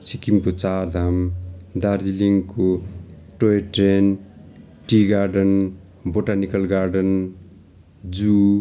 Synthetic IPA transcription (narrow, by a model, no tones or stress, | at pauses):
sikimkot͡sard̪ʱamd̪aɾd͡ziliŋko | ʈoeʈren | ʈiɡarɖʌn | boʈanikʌlɡaɾɖʌn | d͡zu